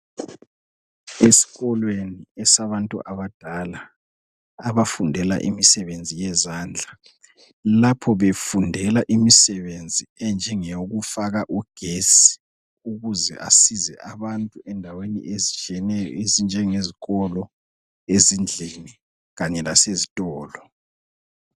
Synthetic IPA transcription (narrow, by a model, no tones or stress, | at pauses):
esi̥ɣɔlweniɛsaβantʼṵʔaβad̥ʱalaː | βafundʱɛla̰ʔḭmisɛβend͡zʱijɛzaːnd͡ɮʱa | lapʰɔβefundʱɛlaʔimisɛβend͡zʱiɛnd͡ʒʱɛŋeɣufaɣaʔuɡ̥ʱesi̥ | uɣuzɛ̰ʔa̰sizɛ̰ʔaβantʼuɛndʱawenḭʔezit͡ʃʼɛnɛjɔezind͡ʒʱɛŋeziɣɔlɔ | ezind͡ɮʱini | ɣaɲɛlasezitʼɔːlɔ